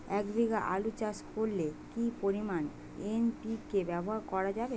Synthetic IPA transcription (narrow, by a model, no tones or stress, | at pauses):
ɛkbʱiɡaʔa̰lut͡ɕaskoɾlekipoɾiman | enpikebɛboɦaɾkɔɾad͡ʑabe